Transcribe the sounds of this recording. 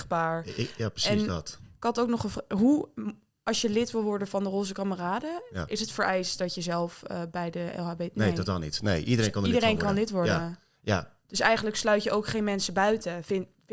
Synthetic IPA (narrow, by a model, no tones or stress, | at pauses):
χbaːɹjapəɛintɪkɑtowknɔχənvɦu | ɑlˠsjəlɪtʋɪlˠʋɔɹdənvɑndəroːsəkɑməraːdəʔɪsətfəɹʔɛjsdɑtjəzɛlˠfəbɛjdəɛ̰lˠaːbetnetotaːlˠnḭtnḛjʔḭdəɾeẽŋkɑnidəɾejnkɑnlɪtʋɔɹdə | ja̰d̥øsɛjχənləkslœɥtjəʔowkχejnmɛnsəbœɥtəfɪn